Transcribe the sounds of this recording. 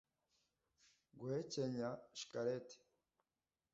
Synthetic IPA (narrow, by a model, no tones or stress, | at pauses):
ɡwheceɲaʃi̥kaɾete̥